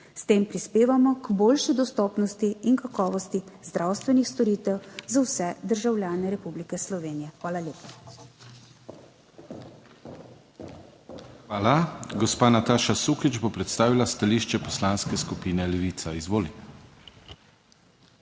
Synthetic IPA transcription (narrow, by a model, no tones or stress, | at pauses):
st̪eːmpɾispeːʋamɔɡboːlʃid̪ɔst̪ɔːpnɔst̪iːŋkakɔːʋɔst̪izd̪ɾaːwst̪ʋɛnixst̪ɔɾiːt̪ɛwzawsɛd̪əɾʒawlʲjaːnɛɾɛpublikɛslɔʋeːnijɛxʋaːlalʲeːpa | xʋaːlaɡɔspaːnat̪aːʃasukid͡ʒbopɾɛt̪st̪aːʋilast̪aliːʃt͡ʃɛpɔslaːnskɛskupiːnɛlɛʋiːt̪saizʋoːli